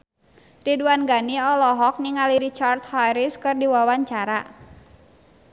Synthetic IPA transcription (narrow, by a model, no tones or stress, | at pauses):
riduanɡaniɔlɔɦɔk̚niŋaliɾit͡ʃart̪̚hajɾiskɨrdiwawaɲt͡ʃaɾa